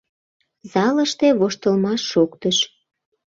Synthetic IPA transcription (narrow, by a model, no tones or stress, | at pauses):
zɑləʃt̪eβoʃt̪əlmɑʃːokt̪əʃ